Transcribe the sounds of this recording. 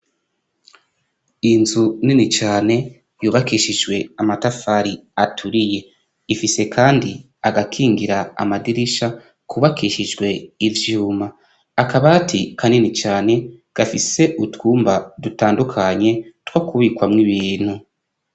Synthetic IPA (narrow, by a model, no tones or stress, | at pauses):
inzuninit͡ʃaːne̞ | juːβakiʃid͡ʒɡwe̞amatafaɾiatʰuɾije̞ | ifise̞kʰaːndi | aɡakʰiːŋɡiɾaa̰madiɾiʃa | kʰuβakiʃid͡ʒɡwe̞ivjuːmaː | kaβaːtʰikʰaninit͡ʃaːne̞ | ɡ̥afise̞ʔutwuːmbadutaːndukʰaɲe̞twakuβikwamŋiβiːn̥hu